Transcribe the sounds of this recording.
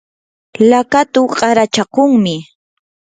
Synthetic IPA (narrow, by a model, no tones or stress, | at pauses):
lakat̪ʊqʼɑɾat͡ʃakʊŋmɪ